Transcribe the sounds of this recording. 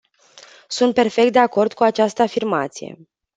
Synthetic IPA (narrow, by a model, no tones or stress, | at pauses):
sunt̪̚pe̞rfe̞k̚t̪d̪eako̞rd̪kuat͡ʃast̪əafirmat̪sije̞̰